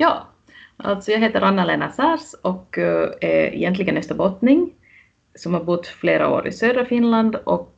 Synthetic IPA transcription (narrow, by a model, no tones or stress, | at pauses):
jɑː | ʔa̰lt̪sɔjɑːɡɦeːt̪əɾʔanːaleːnasæːɾsɔkɛɛ̰jɛnt̪lɪɡənœst̪əbɔt̪nɪŋ | sɔmhaɾbʊt̪ːfleːɾa̰o̰ːɾʔɪ̰søːd̪ɾafɪnland̪ɔk